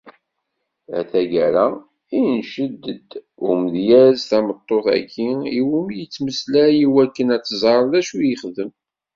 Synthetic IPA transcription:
æ̰θæʝæɾæ | inʃəd̪ːəd̪ | ʊməðjæzθæmət̪ˤːoθæ̰kʰːiiwumjət͡sːməslæjiwækːənæt͡sːzˤɑɾˤðæʃujəχðəm

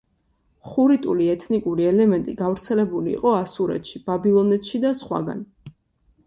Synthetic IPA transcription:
χuɾit̪ʼuliɛt̪ʰnikʼuɾiɛlɛmɛnt̪ʼiɡavɾt̪sʰɛlɛbulḭːqʼɔasuɾɛ̰t̪ʃib̥abilˠɔnɛt̪ʃid̪asχwa̰ɡa̰n

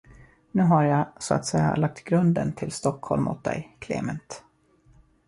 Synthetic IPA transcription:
nʉ̟ːɦaɾjasɔa̰t̪sɛjːa̰lak̚t̪ɡɾɵnd̪ənt̪ʰɪlst̪ɔkhɔlmʔʊ̰t̪̚d̪ɛ̰jkʰlḛːmənt̪

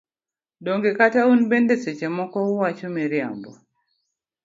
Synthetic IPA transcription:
doŋɡekataunbendeset͡ʃemɔkɔʊwat͡ʃomeɾja̰mbɔ

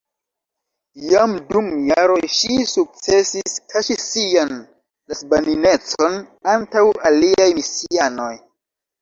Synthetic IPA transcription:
jamdumjaɾo̞jʃisuk̚t͡se̞siskʰaʃisian | lasbanine̞t͡so̞nantawaliajmisiano̞j

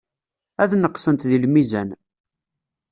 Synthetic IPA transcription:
æðnəqːsənt̪ðilmizæn

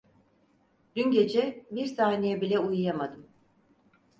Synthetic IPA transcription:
d̪̥ynɟe̞d͡ʒɛbiɾsaːnejɛbilʲɛujjamad̪ɯm

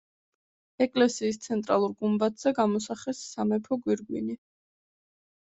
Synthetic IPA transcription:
ɛkʼlɛsiːst̪sʰɛnt̪ʼɾalˠuɾɡumbat̪ʰz̥ɛɡamɔsaχɛsːamɛpʰɔɡwiɾɡwini

